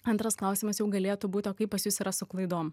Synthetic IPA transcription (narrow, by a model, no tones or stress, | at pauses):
ɐnt̪ɾɐsklˠɐˑʊsʲimɐsjɛʊɡɐlʲeːt̪uːbuːt̪ʲoːkɐɪpɐsjʊsiːɾɐsʊklˠɐɪd̪oːm